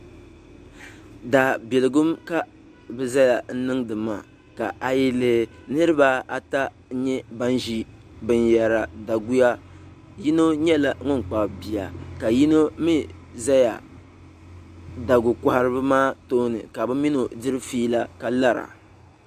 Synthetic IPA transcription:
da˨bɛ˨lɨ˨ɡʊ˦mka˦ | bɨ˦za˦ja˨n̩˦nɨ˦ŋdɨ˨maː˨ | ka˨ʔa˨ji˦lɨ˦nɨ˦ɾɨ˦ba˦a˨ta˦ | ɲɛ˦ba˦n˦ʒi˦ | bɨ˦njɛ˨ɾa˨da˨ɡu˦ja˦ | ji˦no˦ɲɛ˦la˨ŋʊ˦n˨k͡pa˨bi˨ja˨ka˨ji˦no˦mi˦za˦ja˨ | da˨ɡʊ˨ka˨ha˦ɾɨ˦bɨ˦maː˦to˦nɨ̰˨ka˨bɨ˦mi˦no˨dɨ˦ɾɨ˦fiː˦la˦ka˦la˦ɾa̰˨

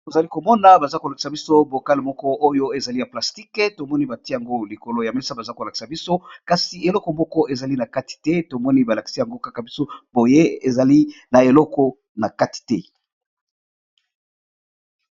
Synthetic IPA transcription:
to˨za˨li˦ko˨mɔ˦na˨ba˨za˦ko˨la˨ki̥˨sa˨bi˦so˦bo˨ka˦le˨mɔ˦kɔ˦o˦jo˦e˨za˨li˦ja˨pla˨sti˦kɛ˦to˨mɔ˦ni˦ba˨ti˦e˦ja˨ŋɡo˦li˨ko˨lo˦ja˨me˦li˦sa˦ba˨za˦ko˨la˨ki̥˨sa˨bi˦so˦ka˨si˨e˨lɔ˦kɔ˨mɔ˦kɔ˦ʔe˨za˨li˦na˨ka˦ti̥˨tɛ˦to˨mɔ˦ni˦ba˨la˨ki̥˨si˦ja˨ŋɡo˦ka˦ka˨bi˦so˦bo˨je˦e˨za˨li˦na˨e˨lɔ˦kɔ˦ | na˨ka˦ti̥˨tɛ˦

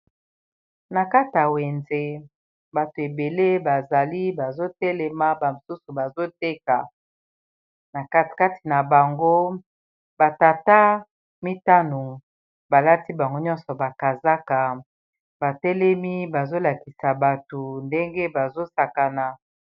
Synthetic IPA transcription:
na˨ka˦ta˨we˨nze˦ | ba˨to˨e˨be˨le˦ba˨za˨li˦ba˨zo˦tɛ˦lɛ˨ma˦ba˨mo˨su˦su˨ba˨zo˦t̚e˦ka˨ | na˨ka˦˨ka˦ti̥˨na˨ba˨ŋɡo˦ | ba˨ta˨ta˦ | mi˦ta˦no˨ | ba˨la˦ti˦ba˨ŋɡo˦ɲɔ̃˦nsɔ˨ba˨ka˨za˦ka˨ | ba˨tɛ˦lɛ˦mi˦ba˨zo˦la˨ki˨sa˨ba˨to˨nde˦ŋɡe˦ba˨zo˦sa˨ka˨na˨

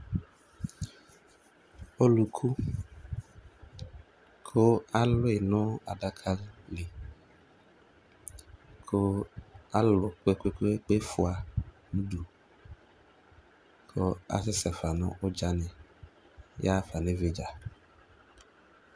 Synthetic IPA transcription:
o˦lu˨kʰu˦ | kʰo˦a˦lɔ˦e˨nɔ̃˦a˨ɖa˦kʰa˦lle˨ | kʰo˦a˦lɔ˨k͡pe˦ke˦ke˦k͡pe˦fo˨a˨ | nũ˦ɖu˨ | kʰo˦a̰˦sɪ˦sɛ˨fa˨nɔ̰̃˦ʔo˦d͡ʒa˦nɛ̃˨ | jʔa˦fa˨nẽ˦ve˦d͡ʒa˨

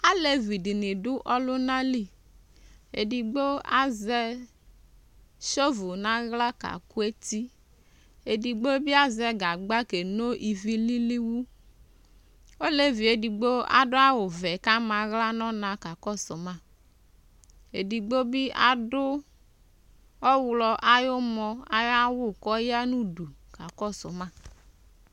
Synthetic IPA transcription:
a˦le˨vi˨di˨nɪ˨dʊ˦ʔɔ˦lʊ˦na˦li˦ | ḛ˨di˨ɡ͡bo˦a̰˦zɛ˦ | ʃo˦vu˨na˦ɣla˦ka̰˨ku˦e˦ti˦ | e˨di˨ɡ͡bo˦bi˦a˦zɛ˨ɡa˨ɡ͡ba˦ke˨no˦ʔi˨vi˦li˦li˦wu˦ | o˦le˦vi˨e˨di˨ɡ͡bo˦a̰˦dʊ˦a˦wʊ˨vɛ˨ka˦ma˨ɣla˦nɔ˦nã˨ka˨kɔ˦sɔ˨ma˦˨ | e˨di˨ɡ͡bo˦bi˦a˦dʊ˦ | ɔ˦wlɔ˧ʔa˦jo˦mɔ˧a˦ja˦wʊ˦˨kɔ˦ja˦nu˦du˨ka˨kɔ˦˨sɔ˨mã˦˨

